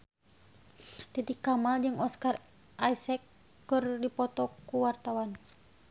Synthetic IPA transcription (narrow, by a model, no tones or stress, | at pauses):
t̪it̪ikːamald͡ʒɨŋɔskar | ʔajsɛkː | ɨrdipɔt̪ɔkuwart̪awan